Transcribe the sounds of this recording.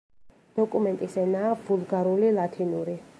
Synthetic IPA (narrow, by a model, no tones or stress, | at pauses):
d̪̥ɔkʼumɛnt̪ʼisɛnaːvulˠɡaɾulilˠat̪ʰinuɾi